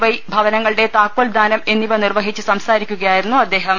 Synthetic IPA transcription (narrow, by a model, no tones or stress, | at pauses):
ʋɐjbʱɐʋɐnɐŋːɐɭɨɽe̞t̪aːkwɐld̪ʱaːnɐme̞nːiʋɐnirʋɐɦit͡ɕːɨsɐmsaːɾikʲːuɣɐjaːjiɾunːuɐd̪ːe̞ːɦɐm